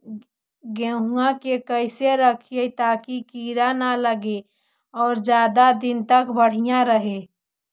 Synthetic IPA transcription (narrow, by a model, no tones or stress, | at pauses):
ɡẽɦũãkekəɪseɾəkʰiet̪aːkikiːɾanaləɡe | ɔːɾd͡ʒjaːd̪ad̪ɪnt̪əkbəɽ̤ijãɾəɦe